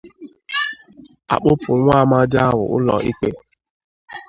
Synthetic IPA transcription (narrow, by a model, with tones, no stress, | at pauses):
a̰˨k͡pʊ˦pʰʊ˨ɾʷʊ˦a˦˨ma˦dɪ˦a˦wʊ̰˨ʔʊ˦lɔ̰˨ʔi˦k͡pe˦